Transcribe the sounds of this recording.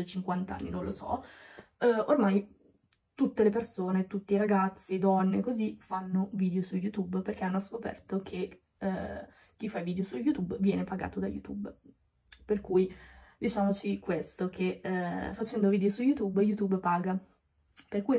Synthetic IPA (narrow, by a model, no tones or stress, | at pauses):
ot͡ʃiŋkwant̪aa̰nːḭnõnlosɔ̰ | ormaj | t̪ut̪ːelepersoːnet̪ut̪ːiɾaɡat̪sːid̪ɔnːekozifanːoviːd̪eosujːut̪ubperk̟eanːoskopɛ̰rt̪okʰe | k̟ːifːaviːd̪eosujːut̪ubvjɛːnepaɡa̰ːt̪od̪a̰jṵt̪ub | perkujd̪it͡ʃaːmot͡ʃikwest̪okʰefat͡ʃɛnd̪oviːd̪eosujːut̪ubjut̪ubpaːɡa | perkuj